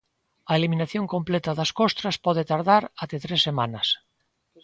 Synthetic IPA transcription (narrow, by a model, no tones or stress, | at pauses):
ɐelimĩnaθjoŋkõmplet̪aðaskost̪ɾaspɔð̞et̪aɾðaɾat̪et̪ɾesːemanas